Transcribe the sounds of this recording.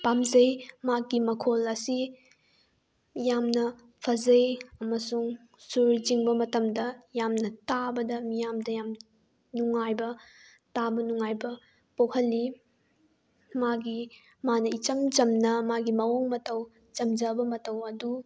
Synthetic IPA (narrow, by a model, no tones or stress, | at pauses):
pamzɐjmaɡimɐkʰolɐsi | jamnɐ | pʰɐzɐjɐmɐsuŋ | suɾd͡ʒiŋbɐmɐtɐmdɐjamnɐtabɐdɐmijamdɐjam | nuŋajbɐ | tabɐnuŋajbɐ | pokʰɐlːi | maɡi | manɐit͡ʃɐmt͡ʃɐmnɐmaɡimɐoŋmɐtɐw | t͡ʃɐmd͡ʒɐbɐmɐtɐwɐdu